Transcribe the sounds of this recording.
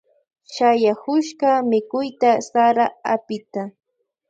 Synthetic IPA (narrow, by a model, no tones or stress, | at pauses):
ʃajahʊʃɢɑmɪkʊjt̪asaɾaapɪt̪a